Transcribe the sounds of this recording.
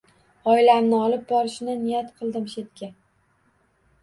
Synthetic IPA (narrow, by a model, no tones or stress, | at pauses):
ɒɪlamnɪɒlˠɪp̚bɒɾɪʃɪnɪnɪjat̪qʰɨlˠd̪ɪmʃe̞t̪kʲa